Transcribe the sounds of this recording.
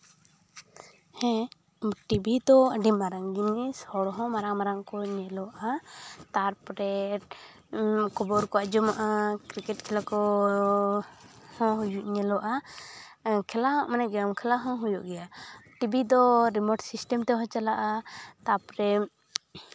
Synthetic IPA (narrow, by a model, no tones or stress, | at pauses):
hɛ̃ | ʈibid̪ɔəɖimaɾaŋɡinɡɛsɔɽɔɦɔ̃maɾaŋmaɾaŋkɔɲɛlɔʔat̪aɾpɾɛ | kɔbɔɾkɔad͡ʒɔmaʔakɾikɛʈkʰɛlakɔ | hɔ̃ɦujuʔɲɛlɔʔa | kʰɛlaɦɔ̃ʔmanɛɡɾamkʰɛlaɦɔ̃ɦujuʔɡɛjaʈibid̪ɔɾimɔɖsisʈɛmt̪ɛɦɔ̃t͡ʃalaʔat̪apɾɛ